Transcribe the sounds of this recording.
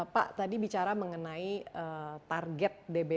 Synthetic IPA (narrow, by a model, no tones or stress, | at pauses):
pa̰ʔt̪adibit͡ʃaɾaməŋənaiət̪arɡɛt̪̚debe